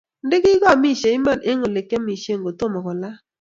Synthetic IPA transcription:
ndɪ˦ɡɪ˦ɡɔ˦˨mi˦˨ʃe˨ɪ˦ma˦˨nʔe˦ŋo˨le˨kːe˦mi˨ʃe˦˨ŋɡo˨t̪o˦˨mɔ˨kɔ˨la˦

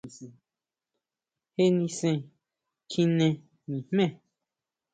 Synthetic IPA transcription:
he˦nĩ˧sɛ̃˧ | kʰĩ˦nɛ̃˧ | mĩ˨mmɛ̃˦˨

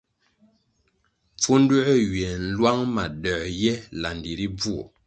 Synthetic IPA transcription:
p͡fu˦n̩˦du˦ʔɥɛ˨n̩˦lwa˦ŋma˨də˨ʔjɛ˦la˨n˨di˨ɾi˦b͡vu˦˨

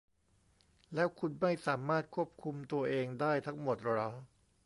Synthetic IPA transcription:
lɛː˦˥wkʰu˧nma˥˩jsaː˩˦maː˥˩t̪̚kʰu˥˩əp̚kʰu˧mt̪u˧ɐʔeː˧ŋdaː˥˩jt̪ʰa˦˥ŋmo˨˩t̪̚ɾa˦˥

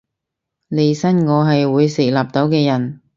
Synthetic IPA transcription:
le˨˧jsɐ˥nŋɔː˨˧ɦɐ˨jwuː˨˧jseː˨˩laː˨˩p̚t̪o˨˥wkɛː˧jɐ˨˩n

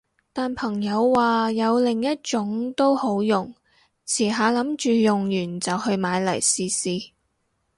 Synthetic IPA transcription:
t̪aː˨npʰɐ˨˩ŋjɐ˨˧wːaː˨jɐ˨˧wlɪ˨˩ŋjɐ˥t̚t͡ʃʊ˨˥ŋt̪o˥who˨˥wjʊ˨˩ŋ | t͡sʰiː˨˩ɦaː˨˧lɐ˨˥mt͡ʃyː˨jʊ˨ŋjyː˨˩nt͡sɐ˨whɵ˧ɥmaː˨˧jlɐ˨˩jsiː˨siː˨

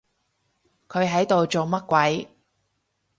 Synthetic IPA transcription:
kʰɵ˨˧ɥɦɐ˨˥jt̪o˨wt͡so˨wmɐ˥t̚kʷɐ˨˥j

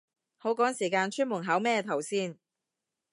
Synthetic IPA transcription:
ho˨˥wkɔː˨˥ŋsiː˨˩kaː˧nt͡ʃʰyː˥nmʊ˨˩nɦaː˨˥wmɛː˥t̪ʰɐ˨˩wsiː˧n

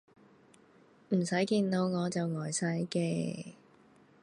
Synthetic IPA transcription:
m̩˨˩sɐ˨˥jkiː˧nt̪o˨˧wŋɔː˨˧t͡sɐ˨wŋɔː˨˩jsɐ˨˧˥jkɛː˧

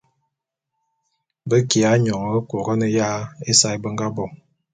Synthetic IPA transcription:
bə˦ki˨a˨˦ɲɔ˨ŋ˨˦ko˨ɣə˦nə˨ja˦e˦sa˦jbə˦ŋ˦ɡa˦bɔ˦˨ŋ

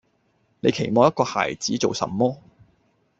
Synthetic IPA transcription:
ne˨˧jkʰe˨˩jmɔː˨˧jɐ˥t̚kɔː˧ha̰ː˨˩jt͡siː˨˥t͡so˨wsɐ̰˨mːɔː˥

